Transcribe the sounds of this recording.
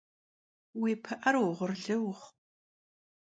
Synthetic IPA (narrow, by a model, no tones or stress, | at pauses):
wiːpʰɨʔɐrwʊʁʷʊrɮɨwʊχ